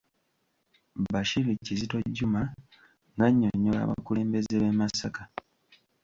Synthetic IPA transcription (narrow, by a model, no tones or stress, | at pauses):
baʃiɾicizito̞ɟːuma | ŋɡaɲːoɲːola̰βa̰kule̞ːmbe̞zeβe̞masaka